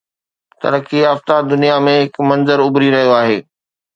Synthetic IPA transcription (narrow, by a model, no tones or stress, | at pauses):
t̪ɐ̰ɾkiaːft̪ad̪ʊnijamẽɦɪkmɐ̃nzəɾʊbɾiɾɐɦijoaːɦeː